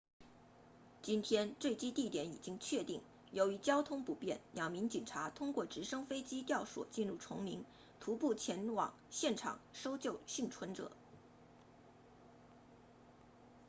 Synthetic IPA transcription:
t͡ɕi˥nt̪ʰjɛ˥nʈ͡ʂwe˥˩ɪt͡ɕi˥t̪i˥˩t̪jɛ˧˥ni˨˩t͡ɕi˥ŋt͡ɕʰɥɛ˥˧t̪i˥˩ŋ | jo˧˥ʊy˧˥t͡ɕjɑ˥ʊt̪ʰʊ˥ŋpu˨˧˩pjɛ̰˥˩nljɑ˨˩ŋmi˧˥ŋt͡ɕi˨˩nʈ͡ʂʰa˧˥t̪ʰʊ˥ŋkwɔ˥˩ʈ͡ʂɻ̩˧˥ʂɤ˥ŋfe˥ɪt͡ɕi˥t̪jɑ˥˩ʊʂwɔ̰˨˩t͡ɕi˥˧nɻu˥˩ʈ͡ʂʰʊ˧˥ŋmi˧˥ŋ | t̪ʰu˧˥pu˥˩t͡ɕʰjɛ˧˥nwɑ̰˨˩˦ŋɕjɛ˥˩nʈ͡ʂʰɑ̰˨˩˦ŋʂo˥ʊt͡ɕjo˥˧ʊɕi˥˩ŋʈ͡ʂʰwə˧˥nʈ͡ʂɤ̰˨˩˦

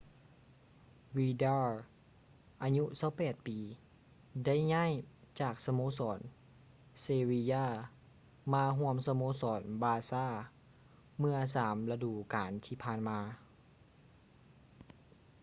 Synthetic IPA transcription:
wiː˧daː˧ | ʔaː˧ɲu˧˥sa˧˥˦wpɛː˨˩t̪̚piː˨˩ | da˥˩˨jɲaː˥˨jt͡ɕaː˨˩k̚sa˧moː˧˥˨sɔː˨˦n | seː˧wi˧jaː˧˥˩ | maː˧ɦu˧˥˧əmsa˧moː˧˥sɔː˨˩˦nbaː˧saː˧˥˩ | mɯ˧ɐsaː˨˩˦mla˧duː˨˩kaː˨˦nt̪ʰiː˧pʰaː˧˥˨nmaː˧

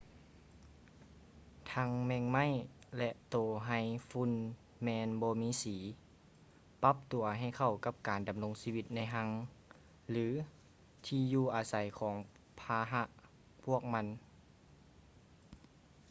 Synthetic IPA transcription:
t̪ʰa˧˥ŋmɛː˧ŋma˥˨jlɛ˧ʔt̪oː˨˩ɦa˧˩jfu˧˥˨n | mɛː˧nbɔː˧miː˧˥siː˩˦ | pa˧˥p̚t̪u˨˩ɐɦa˧˩jkʰa˧˩wka˧p̚kaː˨˩nda˨mlo˧ŋsiː˧wi˧t̪̚na˧˥jɦa˧˥ŋ | lɯː˨˦ | t̪ʰiː˧juː˧˩ʔaː˨˩sa˨˦jkʰɔː˩˦ŋ | pʰaː˧ɦa˧ʔ | pʰu˥˩ək̚ma˧˥n

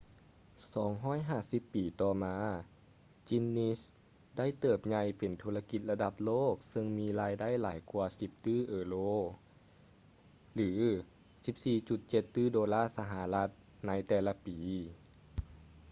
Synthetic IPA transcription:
sɔː˩˦ŋɦɔː˥˩jɦaː˧˩si˧˦pːiː˨˩t̪ɔː˧˩maː˧ | t͡ɕi˧˥nːi˧s | da˥˩˨jt̪ɤː˧˩p̚ɲa˧jpe˨˩nt̪ʰuː˧la˧ki˧˦t̪̚la˧da˧˦p̚loː˥˨k̚sɤ˧ŋmiː˧laː˧jda˥˨jlaː˨˩˦jkʰuː˧ɐsi˨˧˦p̚t̪ɯː˥˩ʔɤː˨˦loː˧˩ | lɯː˩˦ | si˨˧˦p̚siː˧˩t͡ɕu˧˩t̪̚t͡ɕe˧˦t̪ːɯː˥˩doː˧laː˥˩˨sa˧ɦa˨˧˦la˧˥t̪̚ | na˧˥jt̪ɛː˧˩la˧piː˨˩

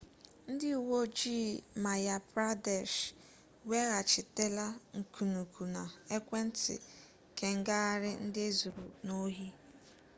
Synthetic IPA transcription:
n̩˦dɪ˦u˨wo˦d͡ʒi˦˨ma˨ja˨pɾa˦de˨ʃ | we˦ɣa˨t͡ʃɪ˨te˦la˦ŋ̩˨kʰu˨nu˨kʰu˨na˨e˦kʷe˦n̩˦tɪ̰˨ | ke˨ŋ̩˦ɡa˦a˦ɾɪ˦n̩˦dɪ˦e˦zu˨ɾṵ˨no˦ɦi˦

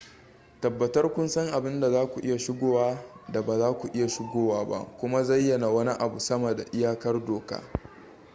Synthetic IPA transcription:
tɐ˨bːɐ˨tɐ˦rkʷʊ˦nsɐ˦ŋʔa˨bɪ˦nda˨zaː˦kʷu˨ʔɪ˦ja˨ʃɪ˦ɡʷoː˦waː˦da˨baː˨zaː˦kʷu˨ʔɪ˦ja˨ʃɪ˦ɡʷoː˦waː˦ba̰˦ʔkʷʊ˦ma˦zɐ˦jːɐ˨na˨wɐ˦ni˦ʔa˨bu˨sɐ˦mɐ˨da̰˨ʔɪ˦jaː˦kɐ˦rdoː˨ka̰ː˦

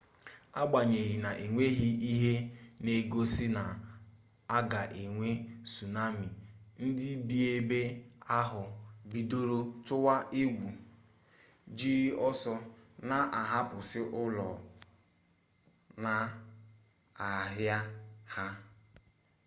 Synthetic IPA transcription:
a˦ɡ͡ba˨ɲe˨ɣi˨na˨ʔe˨ŋʷe˦ɦi˦i˦ɦe˦ne˦ɡo˦sɪ˦na˨ | a˦ɡa˨ʔe˨ŋʷe˦su˨na˦mi˨n̩˦dɪ˦bi˦e˦be˦a˦ɦʊ˨bi˨do˦ɾo˦tʊ˦wa˦ʔe˦ɡʷu˨ | d͡ʒi˦ɾɔ˦sɔ˦na˦˨ʔa˨ɦa˦pʊ˨sɪ˦ʔʊ˦lɔ˨ | na˨ | a˨ɦja˦ha˦

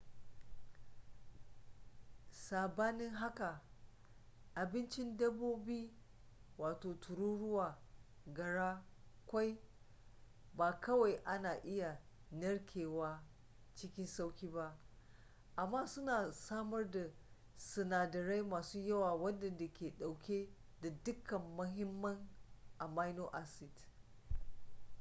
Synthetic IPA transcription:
saː˨baː˦nɪ˦ŋɦa˦ka˨ | ʔa˨bɪ˦nt͡ʃɪ˦ndɐ˦boː˦biː˦ | waː˨toː˨tʰʊ˨ɾuː˦ɽʊ˦waː˨ | ɡɐ˨ɽaː˦kʷa˦j | baː˨kɐ˦wa˨jʔa˦naː˨ʔɪ˦ja˨ | nɐ˦ɽkʲʰeː˨waː˦ | t͡ʃɪ˦kʲɪ˦nsa˦wkʲiː˦ba˦ʔ | ʔa˨mːaː˦sʊ˦naː˨saː˦mɐ˦rda˨ | sɐ˨naː˨dɐ˨ɾa˦jmaː˨suː˦jɐ˦waː˨wɐ˦ndɐ˨nda˨kʲʰeː˨ɗa˨wkʲeː˦ | da˨dʊ˦kɐ˨mːɐ˦ɦɪ˦mːɐ˦ŋʔa˨ma˦jnoː˦ʔa˦sɪ˨d

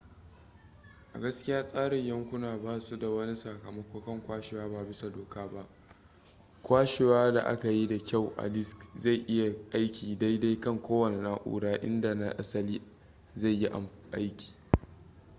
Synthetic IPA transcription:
ʔa̰˨ɡɐ˦skʲɪ˦jaː˦sʼaː˦ɽɪ˨ɲjɐ˦ŋkʷʊ˦naː˨baː˦su˦da˨wɐ˦ni˦sa˨kɐ˨mɐ˦kʷoː˦kɐ˦˨ŋkʷaː˦ʃɪ˨waː˦baː˨bɪ˦sa˨doː˨kaː˦ba˦ʔ | kʷaː˦ʃɪ˨waː˦da̰˨ʔa̰˦ka˨ji˦da˨kʲa˦˨wʔa̰˨lɪ˦skza˦˨jʔɪ˦ja˨ʔa˦jkʲiː˨da˦jda˦jkɐ˦˨ŋkʷoː˦wɐ˨nɪ˨na˦ʔʷṵː˨ɽaː˦ʔɪ̰˦nda˨na˦ʔa̰˦sɐ˦liː˦ | za˦˨jːi˦ʔa̰˨mʔa˦jkʲi̥ː˨

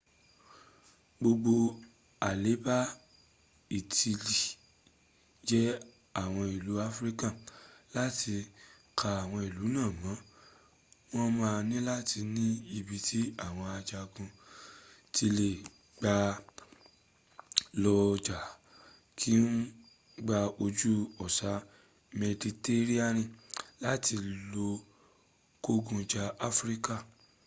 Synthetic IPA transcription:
ɡ͡bo˧ɡ͡bo˧ | a˨le˨˦ba˦ | i˨ti˧li˨ | d͡ʒɛ˦ | a˦˨w̃ɔ̃˧i˨lu˨˦a˦fɾi˦kã˦˨la˦ti˧ | kʰa˧a˨w̃ɔ̃˧i˨lu˨˦nãː˦˨mã˨˦ | w̃ɔ̃˦mãː˧nĩ˦la˦ti˧nĩ˦i˧bi˧tʰi˦a˦˨w̃ɔ̃˧a˧d͡ʒa˧kũ˧ | ti˧le˨ | ɡ͡ba˧ | lɔ˧d͡ʒa˨ | kʰi˦n̩˦ | ɡ͡ba˧o˧d͡ʒu˦ɔ˨sa˨˦ | mɛ˧di˧te˦ɾi˦a˦˨nĩ˧˨la˦tʰi˧lo˧ | ko˦ɡũ˧d͡ʒa˧a˦fɾi˦ka˦˨

